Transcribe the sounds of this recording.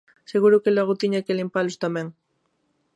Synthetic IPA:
seɣuɾokelweɣot̪iɲakelimpalost̪amẽŋ

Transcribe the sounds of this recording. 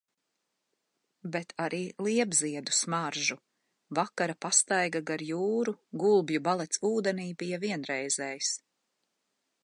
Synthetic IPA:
bet̪ʰaɾiːlˠiɛbziɛd̪u̥smaɾʒu | vakaɾapast̪ajɡaɡaɾjuːɾuɡulˠbjubalˠɛt̪suːd̪ɛniːbijaviɛnɾɛjzɛːjis

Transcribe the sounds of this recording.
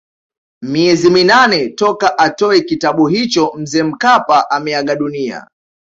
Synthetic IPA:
miɛziminanɛtɔkaʔatɔɛkitaɓuɦit͡ʃɔm̩zɛːm̩kapaʔamɛaɠaɗunia̰

